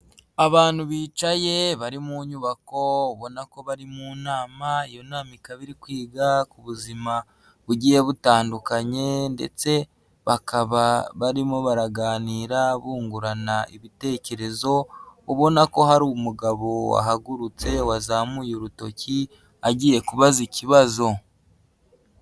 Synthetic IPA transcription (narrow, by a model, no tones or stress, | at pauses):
aβaːnhuβiːt͡ʃaje̞βaɾimuɲuβako̞uβo̞nako̞βaɾimuːnaːmaijo̞naːmikaβiɾikwiːɡakuβuzima | βuɟije̞βutaːndukaɲe̞nde̞̰t͡se̞ | βakaβaβaɾimoβaɾaɡaːniːɾaβuːŋɡuɾanaiβite̞ːce̞ɾe̞zo̞uβo̞nako̞ɦaɾumuɡaβo̞wa̰ɦaɡuɾut͡se̞wazaːmujoɾuto̞ci | aɟiːje̞kuβaziciβazo̞